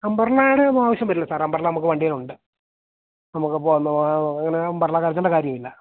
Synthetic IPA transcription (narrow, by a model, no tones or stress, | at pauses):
ɐmbɐrɐɭaːɽeaːʋɐɕjɐmpɐt̪ːilːɐsaːrɐmbɐrɐɭɐnɐmukːɨʋɐɳɖijɐluɳɖɨ | nɐmukːɨpoːnːuɐŋːɐnembɐrɭaːkːaːɾɐt̪ːɐɳɖeɐkaːɾjɐmilːɐ